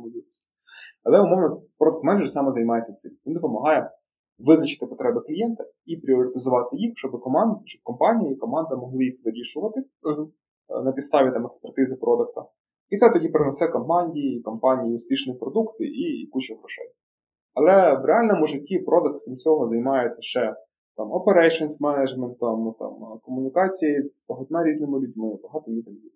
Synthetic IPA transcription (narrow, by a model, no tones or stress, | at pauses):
mʊzʲisʲɐ | ɐlˠɛʊmɔʋnɔpɾɔd̪ɐkt̪mɛnʒsɑmɛzɐjmɑjet͡sʲːɐsɪmʋind̪ɔpɔmɐɦɑjɛ | ʋɪznɐt͡ʃɪ̥t̪ɪpɔt̪ɾɛbɪklʲijɛnt̪ɐ | ipɾʲɪɔɾʲɪt̪ɪzʊʋɑt̪ɪjixʃt͡ʃɔbɪkɔmɑnd̪ʃt͡ʃɔ̥b̚kɔmpɑnʲijiikɔmɑnd̪ɪmɔɦlˠɪjixʋɪɾʲiʃʊʋɐt̪ɪ | nɐpʲid̪st̪ɑʋʲit̪ɑmɛkspert̪ɪzɪpɾʔɔd̪ɐkt̪ɐ | it̪sɛt̪ɔdʲipɾenɛsɛkɔmpɑnʲdʲijiːkɔmpɑnʲijiʊsʲpʲiʃnɔjipɾɔd̪ukt̪ɪ̰ʔḭkut͡ʃɔɣɾɔʃɛ̰j | ɐlˠɛʋɾeɑlʲnɔmɔʒɐtʲipɾɔd̪ɐk̚t̪kɾʲimt͡sʲɔɦɔzɐjmɑjɛt͡sʲːɐʃt͡ʃɛ | t̪ɑmɔpeɾɛjʃɔnsmɛnɐd͡ʒmɛnt̪ːɐmt̪ɑ̰mkɔmʊnʲikɑt͡sʲijejzbɐɦʊt̪ʲmɛɾʲiznɪmɪlʲʊdʲmɪbɐɦɑt̪ɔnʲit̪ɐmʲjʲi